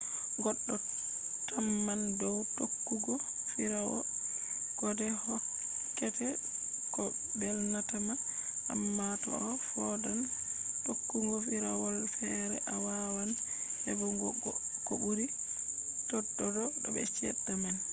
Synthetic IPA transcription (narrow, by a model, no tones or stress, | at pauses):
ɡɔɗːɔ | tamːandɔwtokːuɡɔ | fiɾawɔ̰ | kɔdɛhɔ | kɛtɛ | kɔ | bɛlnatama | ʔa̰mːatɔ̰ɔ | fɔdan | tokːuŋɡɔfiɾawɔlfɛɾɛ̰ʔawawanhɛ̰bɔɡkɔbuɾi | tɔɗːɔdɔɗɔ̰bɛ̰t͡ʃɛɗːaman